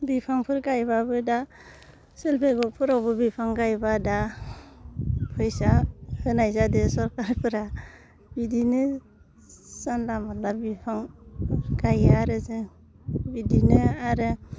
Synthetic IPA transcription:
bipʰaŋpʰɯɾɡajbabɯda | selpʰeɡɔpʰɯɾawbɯbipʰaŋɡajbada | pʰɯjsahɯnajzadesɔɾkaɾpʰɯɾa | bidinɯ | sanlamalabipʰaŋ | ɡajaɾɯze | bidinɯaɾɯ

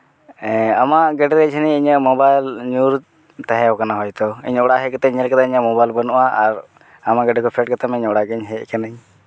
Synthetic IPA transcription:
ɛ̃amaʔɡɛɖɛɾɛt͡ʃʰənɛiɲəmɔbajlɲuɾ | t̪ãɦɛ̃ɦɔkanaɦɔjt̪ɔḭɲɔɽaɦɛkɛt̪ɛɲɛlkat̪aiɲəmɔbajlbənɔʔaʔaɾ | amaɡɛɖɛkʰɔpʰɛʈ̚kat̪amiɲɔɽaɡɛɲɦɛʔkanəɲ

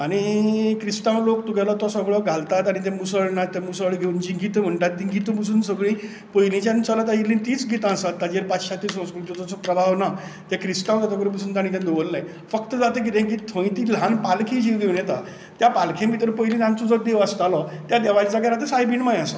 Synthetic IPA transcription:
aɽ̃ikɾisʈãwlokt̪uɡalɔt̪ɔsəɡɭɔɡʱalt̪at̪aɽ̃it̪ɛ̃musəɭnat̪ːãmusəɭɡʱeund͡ʑiɡit̪əm̤əɳʈat̪ːĩɡit̪əmus̬uːnsəɡɭĩ | pəjlĩt͡ɕãnt͡səlat̪ad͡ʑiliːnt̪iːt͡sɡʱit̪ãəsat̪ːad͡ʑeɾpat͡sɕat̪ːisə̃w̃skɾut̪jot͡sɔt͡sɔpɾəbʱaʋnat̪jakɾisʈãwd͡zat̪ɔkɾə̃p̬asuːnt̪añĩt̪̬ʲãd̪eʋəlnaj | fəkt̪əd͡zat̪ek̬it̪ẽk̬it̪ʰə̃j̃t̪ilanpalkʰĩd͡ʑʱid̪eʋnɛt̪a | t̪japalkʰẽmit̪əɾpəjlĩt̪ãnt͡sud͡zɔd̪eʋəst̪alɔt̪jad̪eʋad͡zaɡaɾat̪̬esajbinmajasɔ

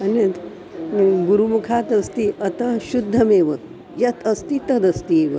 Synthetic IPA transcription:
ɐnɐt̪ | ɡuɾumukʰaːt̪ɐst̪iʔɐt̪ɐʃud̪ʱːɐmeːʋɐ | jɐt̪ɐst̪it̪ɐd̪ɐst̪ieːʋɐ

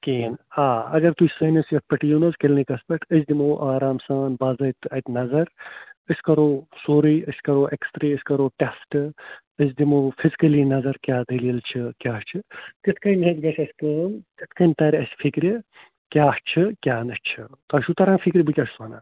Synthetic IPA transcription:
keːnaːɐ̰ɡɐɾt̪usɐːnɐsjɐt̪̚pɐʈijunɐskelnikɐspɐʈʰəsd̪imoːʔaːɾaːmsaːnbaːzɐjt̪ɐjt̪nɐzɐɾɨsʲkɐɾoːsoːɾiːəsʲkɐɾoːʔeksʈɾiɨsʲkɐɾoːʈesʈ | əs̬ʲd̪imoːfʰizikɐlinɐzɐɾkʲaːd̪ɐliilt͡ʃʰikʲaːht͡ʃʰit̪it̪ʰkɐmʲɦɐt̪ɡɐt͡ʃʰɐsʲkɐːmt̪it̪ʰkɐnʲt̪ɐɾʲɐsʲfʰikɾi | kʲaːht͡ʃʰikʲaːnɐst͡ʃʰit̪ɐʃut̪ɐɾãːnfʰikɾʲibɨkʲɐssɐːna̰ː

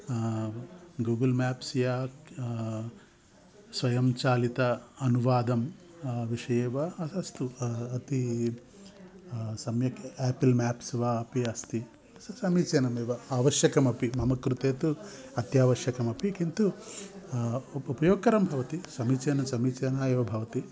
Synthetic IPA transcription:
ɡuːɡɐlmaːpsjaːk | sʋɐjɐmt͡ʃaːlit̪ɐːnuʋaːd̪ɐm | ʋiʂɐjeːʋɐɐst̪uɐt̪i | sɐmjɐkeːpilmaːpsʋaɐpiɐst̪i | sɐsɐmiːt͡ʃeːnɐmeːʋɐaːʋɐʃjɐkɐmɐpimɐmɐkɾut̪eːt̪u | ɐt̪jaːʋɐʃjɐkɐmɐpikint̪u | upɐjoːɡ̚kɐɾɐmbʱɐʋɐt̪isɐmiːt͡ʃeːnɐmsɐmiːt͡ʃeːnaːjeːʋɐbʱɐʋɐt̪i

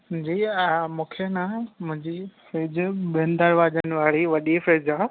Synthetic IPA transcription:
d͡ʑiːmũːkʰenamʊ̃ɦɪ̃ɲd͡ʑifɾeːd͡ʑɓẽːnd̪əɾʋaːd͡ʑənɪ̆ʋaːɽiʋɐɗifɾeːd͡ʑãː

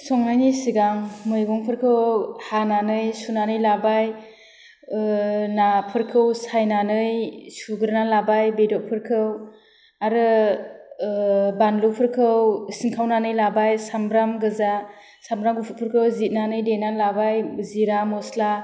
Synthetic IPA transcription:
sɔŋnajnijsiɡaŋmɯjɡɔŋpʰɯɾkʰɯwhananɯjsunanɯjlabaj | napʰɯɾkʰɯwsajnanɯjsuɡɯɾnalabajbedɔʔ̚pʰɯɾkʰɯw | aɾɯ | banlupʰɯɾkʰɯwsiŋkʰawnanɯjlabajsambɾamɡɯza | sambɾamɡupʰut̚pʰɯɾkʰɯwzit̚nanɯjdenalabajziɾamɔsla

